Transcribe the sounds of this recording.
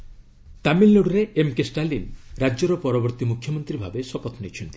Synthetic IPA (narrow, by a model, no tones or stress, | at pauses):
t̪amilːuɽɾeʔemkesʈalinɾad͡ʒɔɾɔpɔɾɔbɔɾt̪imukʰjɔmɔnt̪ɾibʱabesɔpɔt̪ʰnit͡ʃʰɔnt̪i̥